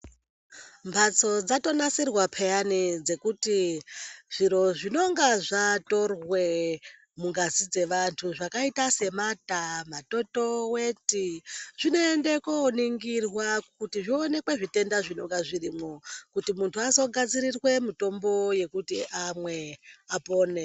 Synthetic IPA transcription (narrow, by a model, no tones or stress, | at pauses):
mbʱat͡so̞d͡zato̞nasirwapʰejanid͡ze̞kuti | ʐ̥iɾo̞ʐino̞ŋɡaʐato̞rwe̞ | muŋɡazid͡ze̞ʋantʰuʐakaitase̞matamato̞to̞wetiʐ̥ino̞ende̞koniŋɡirwakutiʐione̞kwe̞ʐite̞ndaʐino̞ŋɡaʐirimokutimuntʰuazo̞ɡʱad͡ziɾirwe̞mito̞mbo̞je̞kutiʔamwe̞apo̞ːne